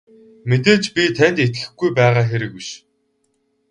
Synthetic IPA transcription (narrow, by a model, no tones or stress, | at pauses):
met̪̬eːt͡ɕpʲit̪ʰænʲt̪et̪xɘ̆xɡujpæːʁaːxeɾɘ̆kwuʃ